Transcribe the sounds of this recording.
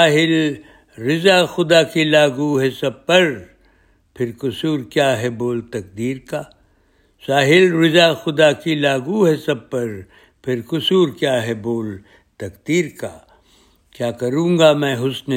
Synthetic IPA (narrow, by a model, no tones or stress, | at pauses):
aːɦɪl | ɾɪzaːxʊd̪akilaːɡuɦɛsɐb̚pɐɾ | pʰɪɾkʊsuːɾkjaːɦɛboːlt̪ɐk̚d̪iːɾkaː | saːɦɪlɾɪzaxʊd̪akilaːɡuɦɛsɐb̚pɐɾ | pʰɪɾkʊsuːɾkjaːɦɛboːl | t̪ɐkd̪iːɾka | kjaːkɐɾũːŋɡamɛ̃ːɦʊsn